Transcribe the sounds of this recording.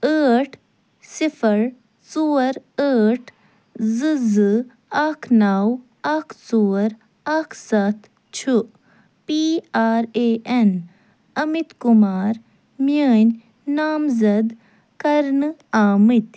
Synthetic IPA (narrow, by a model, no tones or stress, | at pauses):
əːʈʰ | sifəɾ | suːəɾəːʈʰ | zɨzɨ | ɐkʰnaːw | ɐkʰsuːɐɾ | ɐkʰsɐt̪ʰ | t͡ʃʰuʔ | piaːɾeːʔen | ɐmit̪kumaːɾ | mjəːnʲ | naːmzɐd̪ | kɐɾnɨaːmɨt̪